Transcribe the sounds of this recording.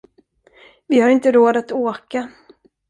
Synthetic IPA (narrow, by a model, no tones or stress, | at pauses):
vɪhaɾɪnt̪əɾoːd̪at̪oːka